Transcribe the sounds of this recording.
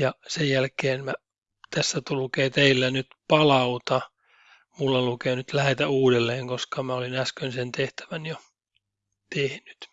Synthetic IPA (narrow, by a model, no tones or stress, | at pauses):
jɑsejjælkeːnmæ | t̪æsːæt̪ulkeːt̪eilːænyt̪pɑlɑut̪ɑ | mulːɑlukeːnyt̪læhet̪æuːdelːeːŋkoskɑmæolinæskønsent̪eht̪æ̥ʋænjo | t̪ehny̥t̪